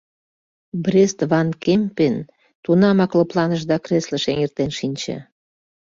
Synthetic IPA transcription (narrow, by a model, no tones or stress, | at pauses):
brʲest̪vɑnkempen | t̪unɑmɑklɤ̆plɑnəʒd̪ɑkreslə̆ʃeŋert̪enʃinʲt͡ɕḛ